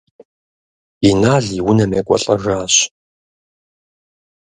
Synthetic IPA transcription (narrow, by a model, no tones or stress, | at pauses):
inaːɮiwʊnɐmḛkʷʼɔ̰ɬʼɐʒaːɕ